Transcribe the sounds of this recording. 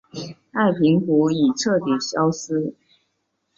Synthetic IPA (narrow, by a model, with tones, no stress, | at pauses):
a˥˩ɪpʰi˧˥ŋku˧˥i˨˩ʈ͡ʂʰɤ˥˩t̪i˨˩ɕjɑ˥ʊsɹ̩˥